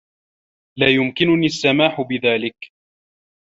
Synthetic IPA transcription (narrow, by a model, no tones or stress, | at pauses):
laːjʊmkɪnʊniːasːamaːħʊbɪðaːlɪk